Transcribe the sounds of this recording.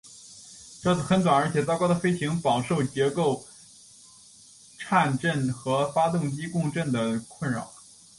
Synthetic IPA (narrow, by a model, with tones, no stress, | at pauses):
ʈ͡ʂɤ˥˩˨xə˧˥nt͡s̪wa˨˩nə˞˧˥t͡ɕʰjɛ˨˩t͡sɑ˥ʊkɑ˥ʊd̪ə˩fe˥ɪt͡ɕʰi˧˥ŋpɑ˨˩ʊʂo˥˩ʊt͡ɕjɛ˧˥ko˥˩ʊ | ʈ͡ʂʰa˥˧nʈ͡ʂə˥˩nxɤ˧˥fa˥t̪ʊ˥˩ŋt͡ɕi˥kʊ˥˧ŋʈ͡ʂə˥˩nd̪ə˩kʰwə˥˩nɻɑ̰˨˩˦ʊ